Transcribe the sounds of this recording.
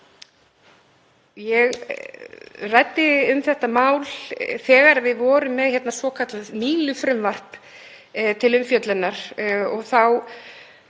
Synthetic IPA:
jɛɣ | rajt̪ːɪʏmθɛht̪amaːwlθɛːɣaɾvɪðvɔːɾʏmːɛðçjɛt̪nasvɔːkʰat̪laðmiːlʏfɾʏmvar̥t̪ | t̪ʰɪlʏmfjœt̪lɪnːaɾ̥ɔɣθaw

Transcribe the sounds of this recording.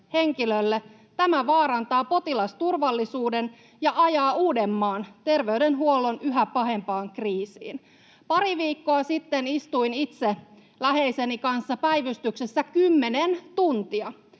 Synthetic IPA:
he̞ŋkilølːe | t̪æmæʋɑːɾɑnt̪ɑːpo̞t̪ilɑst̪urʋɑlːisuːden | jɑʔɑjɑːuːde̞mːɑːnt̪e̞rʋe̞ydenɦuolːo̞nyɦæpɑɦe̞mpɑːŋkriːsḭːn | pɑɾiʋiːkːo̞ɑsit̪ːenist̪uinit̪se | læɦe̞ise̞nikɑnsːɑpæjʋyst̪yksesːækymːe̞nent̪unt̪iɑ

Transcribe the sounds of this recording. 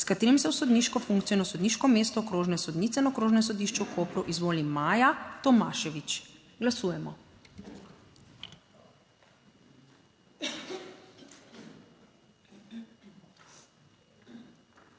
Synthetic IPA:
skat̪eːɾimsɛwsɔd̪niʃkɔfuŋkt̪ijɛnɔsɔd̪niʃkɔmeːst̪ɔkɾoːʒnɛsɔd̪niːt̪sɛnakɾoːʒnɛs̬ɔd̪iʃt͡ʃɛwkʰoːpɾuʔizʋoːlimaːjat̪ɔmaːʃɛʋit͡ʃ | ɡlasuːjɛmɔ

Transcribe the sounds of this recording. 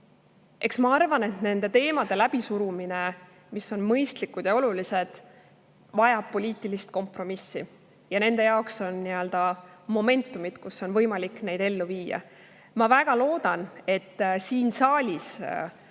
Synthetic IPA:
ʔe̞ksmɑɑrvɑne̞t̪ne̞nd̪e̞t̪e̞ːmɑd̪e̞læb̥isuɾumine̞ | misːo̞nmɤ̞jst̪likːud̪̥jɑo̞lulise̞d̪̥ | vɑjɑb̥pːo̞lʲiːt̪ːˑilist̪̚ko̞mpro̞misːi | jɑne̞nd̪̥e̞jɑokso̞nːiøld̪̥ɑmo̞me̞nt̪ːˑumid̪̥kuso̞nvɤ̞jmɑlikːˑne̞jd̪̥e̞lːuviːjɑ̰ | mɑvæɡ̥ɑlo̞ːd̪ɑne̞t̪ːsiːnsɑːlʲis

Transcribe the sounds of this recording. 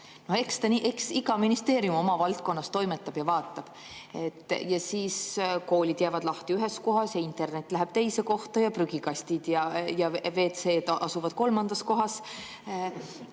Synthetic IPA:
no̞he̞kst̪ɑniʔeksiɡɑminist̪e̞ːɾijumo̞mɑvɑlt̪̚ko̞nːɑst̪o̞jme̞t̪ːˑɑb̥jɑvɑːt̪ːˑɑb̥ | e̞t̪ˑːjɑsiːsko̞ːlʲid̪̥jæːvɑd̪̥lɑht̪iyɦe̞sko̞ɦɑsjɑint̪ˑe̞rne̞t̪ːˑlæɦeb̥̚t̪e̞jse̞ko̞ht̪ɑjɑpryɡ̥ikɑsʲt̪id̪̥jɑjɑve̞ːt̪se̞ːd̪ʔɑsuvɑd̪̥̚ko̞lmɑnd̪̥ɑsko̞ɦɑs

